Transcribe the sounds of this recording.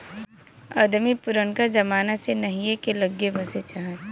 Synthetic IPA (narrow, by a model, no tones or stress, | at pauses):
ɐ̰d̪mipʊɾənkad͡ʒɐmaːnasenɐɦijekelɐɡːebɐset͡ʃaɦə̃t̪